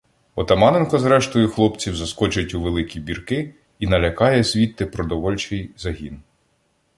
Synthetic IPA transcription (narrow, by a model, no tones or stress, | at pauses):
ɔt̪ɐmɑnɪnkɔzɾɛʃt̪ɔjʊxlˠɔpt͡sʲiwzɐskɔt͡ʃɪtʲuʋelˠɪkʲibʲirkɪ | inɐlʲɐkɑjɛsʲʋʲit̪ːɪpɾɔd̪ɔʋɔlʲt͡ʃɪjzɐɦʲin